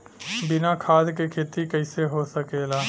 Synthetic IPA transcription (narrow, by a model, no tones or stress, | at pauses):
bɪnakʰaːd̪kekʰeːt̪ikəɪseɦosəkeːlaː